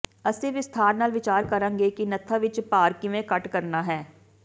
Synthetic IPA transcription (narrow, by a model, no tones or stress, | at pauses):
əseʋɪst̪ʰaːɾnaːlʋɪt͡ʃaːɾkəɾə̃ːŋɡeːkinət̪ʰaʋɪt͡ʃpaːɾkiʋẽkəʈkəɾnaːɦɛː